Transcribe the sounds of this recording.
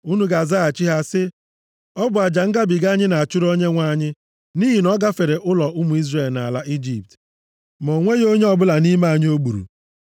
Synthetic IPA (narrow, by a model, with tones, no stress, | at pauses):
u˦nu˨ɡa˨za˦a˨t͡ʃi˦ɦa˦sɪ˦ | ɔ˦bʊ˨a˨d͡ʒa˨ŋ̩˦ɡa˦bi˨ɡa˦ɲɪ˦na˨a˨t͡ʃʊ˦ɾo˦ɲe˦ŋʷa˦ɲɪ˦ | ni˦ɦi˨nɔ˦ɡa˦fe˨ɾe˨ʔʊ˦lɔ˨ʔʊ˦mʊ˨i˦zre˨lna̰˨la˦ʔi˦d͡ʒi˨p̚t | mo˨ŋʷe˦jo˦ɲe˦ɔ˨bʊ˦la˨ni˦ma˦a˨ɲɪ˦o˦ɡ͡bu˨ɾṵ˨